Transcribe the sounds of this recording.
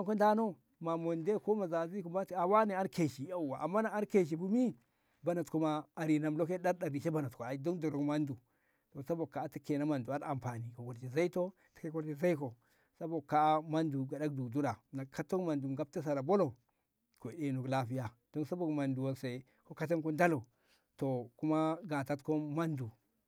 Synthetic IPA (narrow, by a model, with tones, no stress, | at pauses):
a˦ŋko˦nda˦no˦ | ma˨mo˨nde˦ko˦ma˨za˨zi˦ku˦mba˦˨a˨wa˦ne˨a˦nke˨ʃi˨ja˦˨wa˨ʔa˨mːa˦na˨a˦nke˨ʃ̬i˨bu˦mi˦ | ba˨na˨tku˨ma˨a˨ɾi˨na˨mlo˦ke˦ɗa˦ɾɗa˨ɾi˨ʃe˦ba˨na˨tko˨a˨do˦ndu˨ɾo˨kma˦ndu˨ | to˨sa˦bo˨kːa˨˦ti˦ke˨na˦ma˨ndu˨a˦ɾa˨mpa˨ni˨ko˨ɡo˨d͡ʒi˨za˦i˦to˦ | ti̥˨ke˦ko˦ɾd͡ʒe˨za˦i˦ko˨ | sa˦bo˨ka˦ma˦ndu˨ɡa˨da˦k̚du˨ɡdu˦ɾa˨na˨ka˦to˦kma˨ndu˨mɡa˦b̚ta˦s̬a˨ɾa˨bo˦lo˨ | ko˨ɗe˨nu˨kla˦fi˦ja˨d̥o˦nsa˦bo˨kma˨ndu˨wo˨nsa˨i˨ | ko˦ka˦t̬a˦mko˦nda˦lo˨ | to˨ku˦ma˦ɡa˨ta˦tko˦ma˦ndu˨